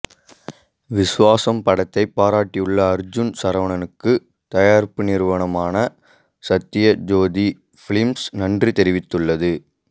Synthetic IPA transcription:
ʋɪsɯʋaːsɐmpɐɽɐt̪ːɐɪpːaːɾaːʈːijɯɭːɐːɾd͡ʒʊnsɐɾɐʋɐɳɐnɯkːɯ | t̪ɐjaːɾpɯnɪɾɯʋɐɳɐmaːnɐ | sɐt̪ːɪjɐd͡ʒoːd̪i | fɪɭɪmsnɐndrit̪ɛɾɪʋɪt̪ːɯɭːɐðɯ

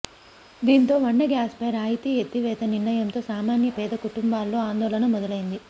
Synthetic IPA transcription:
d̪iːnt̪o̞ːʋɐɳːɐɡaːsbɛːɾaːjt̪iet̪ːiʋɛːt̪ɐniɾɳɐjɐmt̪o̞ːsaːmaːnjɐpɛːd̪ɐkuʈumbaːlːo̞ːaːnd̪ɔːlɐnɐmɔd̪ɐlɐjind̪i

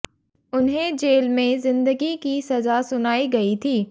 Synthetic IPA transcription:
ʊnɦẽd͡ʒeːlmẽzɪ̃nd̪əɡikisɐzasʊnaːiɡɐit̪ʰiː

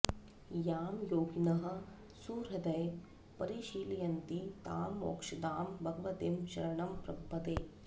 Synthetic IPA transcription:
jaːmjoːɡinɐɦɐ̆ | suːɾɦɐd̪ɐj | pɐɾiʃiːlijɐnt̪it̪aːmːo̰ːkʂɐd̪aːmbʱɐɡɐʋɐt̪emʃɐ̰ɾɐɳɐmpɾɐbʱːɐt̪eː

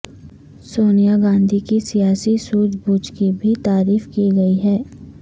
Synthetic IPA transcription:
soːnijaɡãːnd̪ʱikisijaːsisuːd͡ʒbuːd͡ʒkibʱit̪aːɾiːfkiɡɐiɦɛː

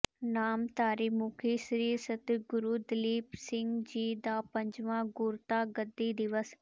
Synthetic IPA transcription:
naːmt̪aːɾiːmuːkʰiːsɾiːɾsət̪ɡʊɾuːd̪ɪliːpsɪ̃ŋɡd͡ʒiːd̪aːpəɲd͡ʒʋãːɡʊɾt̪aːɡəd̪ːiːd̪ɪʋəs

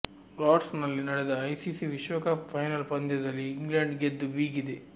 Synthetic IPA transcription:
ɾaːʈsnɐlːinɐɽɛd̪ɐːjsisiʋiʃʋɐkaːppʰːɐjnɐlpɐnd̪ɐd̪ɐlːiːŋɡlɐɳɖɡed̪ːubiːɡid̪e

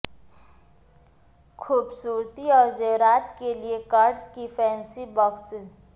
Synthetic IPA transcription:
kʰuːbsuːɾt̪iɔːɾd͡ʒəɦɾaːt̪keliekaːɾɖskipʰɛ̃ːnsibɔːks

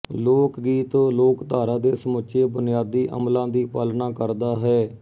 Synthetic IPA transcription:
loːkɡiːt̪õːloːkt̪aːɾãːd̪eːsəmʊʃʰeːbʊnɪjaːd̪iːʔə̰mlãːd̪iːpəlnaːkəɾd̪aːɦɛː

